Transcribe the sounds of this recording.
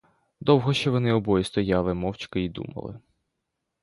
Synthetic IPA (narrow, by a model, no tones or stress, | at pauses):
d̪ɔwɦɔʃt͡ʃɔʋɔnɪɔbɔjist̪ɔjɑlˠɪmɔwt͡ʃkɐid̪ṵmɐ̰lˠɪ̰